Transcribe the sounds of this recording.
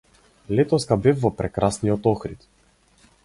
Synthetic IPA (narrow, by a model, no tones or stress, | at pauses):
lɛt̪ɔskabɛfvɔpɾɛkɾasnijɔt̪ɔxɾit̪